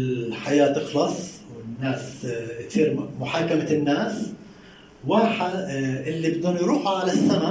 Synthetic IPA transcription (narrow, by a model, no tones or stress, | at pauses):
ħajaːt̪ɪxlɑsˤwɪnːaːskt̪iːɾmʊħaːkamanːaːs | waːħaʔɪlːibɪd̪uːnjɾuːħuʕalasːama